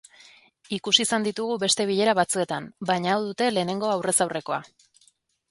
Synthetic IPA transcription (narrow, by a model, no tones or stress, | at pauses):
ikusisand̪it̪uɣ̞uβe̞st̪e̞β̞iʎe̞ɾaβat͡sue̞t̪ambajɲaːwðut̪e̞le̞ːne̞ŋɡo̞awre̞sawre̞ko̞a